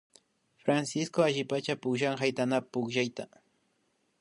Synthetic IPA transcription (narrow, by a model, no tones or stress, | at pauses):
fɾansɪskoaʒɪpat͡ʃapʊkʒaŋhajt̪anapʊkʒajt̪a